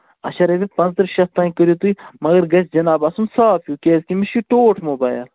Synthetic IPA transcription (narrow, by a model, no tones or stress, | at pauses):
ɐ̰ʃɐɾɐbipɐ̃nzt̪əɾʃɐst̪ːaːĩkəɾjoːt̪uimɐɡɐɾɡɐsʰd͡ʒɐnaːbaːsumsaːfʰjuːkeːzkimiʃuʈoːʈʰmobaːjl